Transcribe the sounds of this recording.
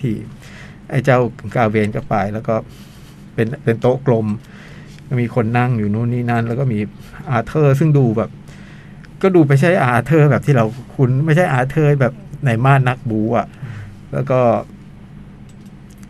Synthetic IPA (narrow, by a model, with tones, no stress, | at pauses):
t̪ʰiː˧˩ | ʔa˧˩jt͡ɕa˥˩wkaː˧weː˧nkɔː˥˩paː˨˩jlɛː˦˥wkɔː˥˩ | pe˧npe˧nt̪oː˦˥klo˧m | kɔ˥˩miː˧kʰo˧nːa˥˩ŋjuː˨˩nu˦˥˨niː˥˩na˥˩˨nlːkɔː˥˩miː˧ʔaː˧t̪ʰɤː˥˩s̬ɯ˥˩ŋduː˧bɛː˨˩p̚ | kɔː˥˩duː˧p̬a˧jt͡ɕʰa˥˩jʔaː˧t̪ʰɤː˥˩bɛː˨˩t̪ʰiː˥˩ɾa˧wkʰu˧nma˥˩jt͡ɕʰa˥˩jʔaː˧t̪ʰɤː˥˩bɛː˨˩p̚na˧jmaː˥˩nːa˦˥k̚buː˨˦ʔa˨˩ʔ | lɛː˦˥wkɔː˥˩